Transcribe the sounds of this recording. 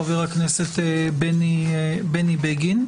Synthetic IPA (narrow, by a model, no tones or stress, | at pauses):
aveʁakneset̪ebenibenibeɡin